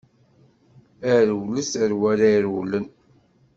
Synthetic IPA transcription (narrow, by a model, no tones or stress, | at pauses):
æɾwləsəɾwæɾæjɾwlən